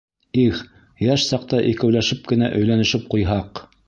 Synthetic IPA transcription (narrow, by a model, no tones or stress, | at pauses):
ix | jæʃsɑq̚t̪ɑʔikæ̆wlæʃɘp̚kɘ̆næʔɵ̆jlænɘ̆ʃɘp̚qujɦɑq